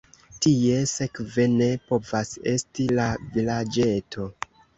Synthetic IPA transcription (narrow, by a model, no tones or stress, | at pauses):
tie̞se̞kve̞ne̞po̞vase̞̰stilavilad͡ʒe̞tʰo̞